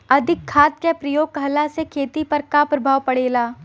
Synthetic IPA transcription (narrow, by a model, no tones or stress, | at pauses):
ɐd̪ʱɪkʰːaːt̪̚kepɾɐjoːɡ̚kɐɦlasekʰeːt̪ipɐɾkapɾɐbʱaːʋpɐɽeːlaː